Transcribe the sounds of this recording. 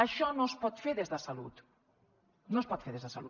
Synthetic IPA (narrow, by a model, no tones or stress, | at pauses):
aʃɔnõspɔt̪feɾðezðasalut̪ | nõspɔt̪feɾðezðasalu